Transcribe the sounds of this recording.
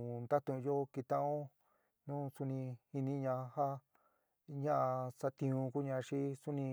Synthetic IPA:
nd̪a˦t̪õ˧jo˦ki˧t̪ã˦ʔõ˦ | nũː˦su˧nĩ˧i˧nĩ˧ɲã˧ha˦ | ɲã˦ʔa˧sa˧t̪ĩ˧ũ˧ku˦ɲã˧ʃi˦su˦nĩ˧

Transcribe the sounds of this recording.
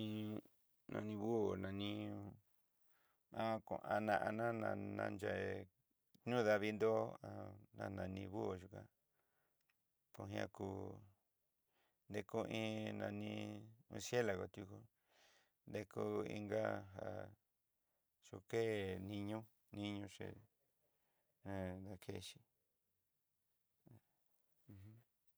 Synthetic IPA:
ĩ˦˧ | nã̰˧nĩ˧βu˦o˨nã˨nĩ˦ | ã˦kṵ̃˨ʔã˧nã˧ʔa˧nã˦nã˧nã̰˧nd͡ʒa˨ | ɲũ˦ða˧βi˧nd̪o˦a˧nã˧nã˧nĩ˧βu˦˨ʒu˧kã̰˧ | po˧ɦĩ˧ã̰˧ku˧ | nd̪e˧ku˦ʔĩ˦nã˧nĩ˧ũ˧sje˦la˨ɣo˨t̪ju˧ku˧ | nd̪e˧ku˦ḭ˧ŋɡa˦ɦa˨ | ʂu˧ke˦nĩ˧ɲũ˦ | nĩ˦ɲũ˧ʂḛ˧˨ | ã˧d̪a˧kʰe˦˧ʃi˦˧ | h̩˦

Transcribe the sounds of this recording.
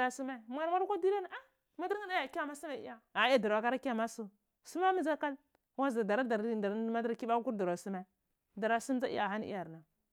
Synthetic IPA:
ɾa˨su˦ma˦˨m˨a˨ɾma˦ɾkʷo˦di˦ɾa˦n˨a˦ | ma˦di˦ɾa˦na˦ja˨ki˦a˦˨ma˦su˦ma˨ḭ˦ja˦a˨i˦ja˦da˨ɾwa˨ka˦ɾa˦ki˦a˦˨ma˦su˨ | su˦ma˦mu˦za˦ka˦l | wa˦za˨da˨ɾa˦da˨ɾda˨˦ma˦da˦ɾki˦ɓa˦ku˦ɾda˨ɾa˨su˦ma˦ | da˨ɾa˨su˦m˦d͡za˦ʔḭ˦ja˨ɦa˦n˦ḭ˦ja˨ɾna˨

